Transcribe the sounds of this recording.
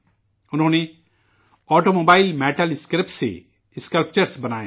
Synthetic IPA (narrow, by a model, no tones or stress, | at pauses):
ʊnɦõːne | ɔːʈoːmoːbaːɪlmɛːʈəlɪskɾɪpʈsḛ | ɪskəlpt͡ʃəɾsbɐnaːẽ